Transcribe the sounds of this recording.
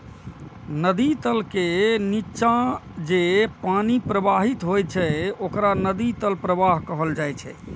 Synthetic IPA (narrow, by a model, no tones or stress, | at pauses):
nəd̪it̪əlkenit͡ʃãd͡ʒepanipɾəbaɦit̪ɦojt͡ʃʰɛokɾanəd̪it̪əlpɾəbaɦkəɦəld͡ʒajt͡ʃʰɛ̰